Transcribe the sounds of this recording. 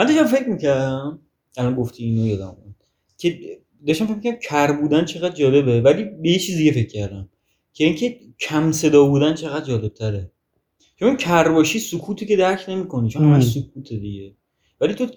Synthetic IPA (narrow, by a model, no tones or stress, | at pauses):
mænd̪ɒʃt̪æmfe̞cmicʰæɾd̪æm | ælɒnɡoft̪ʰiinojod̪æ̰mu | cʲʰe | d̪ɒʃt̪æmfec̚ʰʲmicææmcʰæɾbuːd̪ænt͡ʃʰe̞ɣæd̪̚d͡ʒɒːle̞bevæliːbejet͡ʃʰiːzd̪iɡefe̞cʰːæɾd̪æm | kʰeiŋcʰe | cʰæmse̞d̪ɒːbuːd̪ænt͡ʃʰe̞ɣæd̪̚d͡ʒɒːle̞b̥̚t̪ʰæɾe | t͡ʃʰonkʰærbɒːʃiːsokʰuːt̪ʰice̞d̪æɾkʰne̞miːkʰo̞nit͡ʃʰonhmæʃsokʰuːt̪ʰed̪iɟe | væliːt̪ʰo